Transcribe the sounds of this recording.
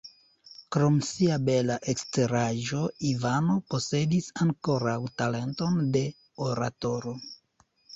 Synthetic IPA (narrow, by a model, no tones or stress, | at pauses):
kɾo̞msiabe̞laʔe̞kste̞ɾaʒo̞ivano̞po̞se̞disaŋko̞ɾawtale̞nto̞nde̞ | oɾa̰to̞ɾo̞